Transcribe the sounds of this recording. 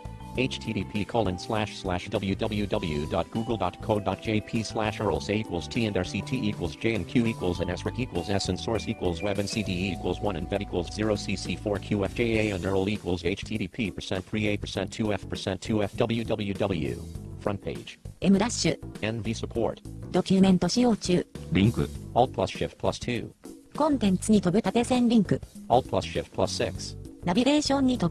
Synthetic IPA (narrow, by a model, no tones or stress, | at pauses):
eɪt͡ʃtʰiɾipʰikʰolˠɨ̃nslæʃslæʃd̥ʌbl̩ˠjʉdʌbl̩ˠjʉdʌbl̩ˠjʉdɑt̚ɡ̥uɡl̩ˠdɑt̚kʰoʊdɑt̚d̥ʒ̥eɪpʰislæʃɜ˞l̩ˠseɪikwl̩ˠz̥tʰiɨ̃ndɑɹsitʰiʔikwl̩ˠzd͡ʒeɪɨ̃nkʰj̥ʉikwl̩ˠzɨ̃nɛsɹɨkikwl̩ˠzɛsɨ̃nsɔɹsikwəl̩ˠzwɛbɨ̃nsidiikwlˠzwʌ̃nɨ̃nvɛikʰwəl̩ˠzzɪɹoʊsisifɔɹkʰj̥ʉɛfd͡ʒ̥eɪeɪɛ̃ndɜ˞l̩ˠikwəl̩ˠzeɪt͡ʃtʰiɾipʰipʰə˞sɛ̃ntθɹieɪt̚pʰə˞sɛ̃ntʰʉɛfpʰə˞sɛ̃ntʰːʉɛfd̥ʌbl̩ˠjʉdʌbl̩ˠjʉdʌbl̩ˠjʉ̰fɹʌ̃npʰeɪd̥d͡ʒ̥emɯ̟ɾaɕɨɛ̃nvisɨpʰɔ̰ɹtd̪o̞kʲɨmẽ̞nt̪o̞ɕijo̞ːt͡ɕɨːɾʲĩŋkɨ̰ɔlˠt̚pʰlʌsʃɪft̚pʰlstʰʉ̰kõ̞nt̪ẽ̞nt͡sɨɲ̟it̪o̞bɯ̟t̪at̪e̞sẽnɾʲĩŋkɯ̟ɔl̚ˠpʰl̥ʌsʃɪt̚pʰl̥ʌsɪksnabʲiɡe̞ːɕõ̞ɲ̟ːit̪o